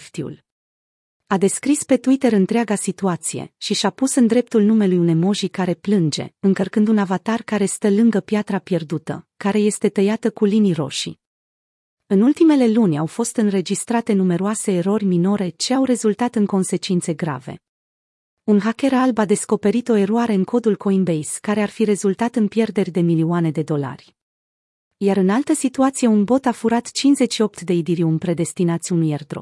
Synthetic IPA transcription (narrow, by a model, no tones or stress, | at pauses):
ft̪iṵl | ad̪e̞skɾispe̞t̪uit̪e̞ɾɨnt̪ɾeaɡasit̪uat̪sije̞̰ʃiʃapusɨnd̪ɾe̞p̚t̪ulnume̞lujunejmo̞ʒikaɾe̞plɨnd͡ʒe̞̰ɨŋkərkɨnd̪unavat̪arkaɾe̞st̪əlɨŋɡəpjat̪ɾapje̞rd̪ut̪ə̰kaɾe̞je̞st̪e̞t̪əjat̪əkuliniɾo̞̰ʃḭ | ɨnult̪ime̞le̞lunʲawfo̞st̪ɨnre̞d͡ʒist̪ɾat̪e̞nume̞ɾoase̞ːɾo̞rʲmino̞ɾe̞t͡ʃeawre̞zult̪at̪ɨŋko̞nse̞t͡ʃint̪se̞ɡɾa̰ve̞̰ | unɦakʲe̞ɾalbad̪e̞sko̞pe̞ɾit̪o̞e̞ɾoaɾe̞ɨnkʰo̞d̪ulkʰo̞inbejskaɾe̞arfiɾe̞zult̪at̪ɨnpje̞rd̪e̞rʲd̪e̞miliane̞d̪e̞d̪o̞la̰rʲ | jaɾɨnalt̪əsit̪uat̪sije̞unbo̞t̪afuɾat̪t͡ʃinzet͡ʃʃio̞p̚t̪d̪e̞id̪iɾiumpɾe̞d̪e̞st̪inat̪sʲunujerd̪ɾo̰